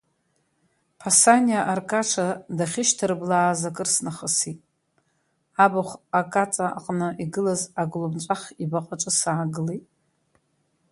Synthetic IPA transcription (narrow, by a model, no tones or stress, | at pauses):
pʰasaniaʔarkʼaʈ͡ʂʰadaχʲɪʃtʰɨɾɨblaːzakʼɨrsnaχəsitʼ | abaχʷakʼat͡sʼaa̰qʼnɨʔiɡɨlazaɡlubt͡ʃʷʼaχʲibaqʼaʈ͡ʂʼɨsaːɡɨlitʼ